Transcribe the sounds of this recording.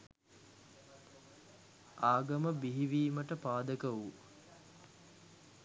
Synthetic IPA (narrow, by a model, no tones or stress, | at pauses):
aːɡɐməbiɦiʋiːməʈəpaːd̪əkəʋu